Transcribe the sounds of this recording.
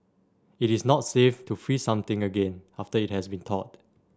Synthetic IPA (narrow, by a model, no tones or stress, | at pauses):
iɾisnɔtseftufɹisãmt̪ɪ̃ŋəɡẽnaftəit̚hɛsbĩntʰɔ̰t̚